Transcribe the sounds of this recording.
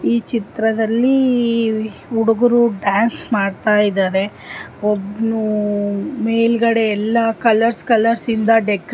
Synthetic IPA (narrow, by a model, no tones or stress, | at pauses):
iːt͡ʃit̪ɾɐd̪ɐlːi | uɽuɡuɾuɖaːnsmaːɖt̪aːjid̪aːɾe̞ | obnu | meːjlɡɐɽe̞ːlːɐkɐlɐɾskɐlɐɾsind̪ɐɖek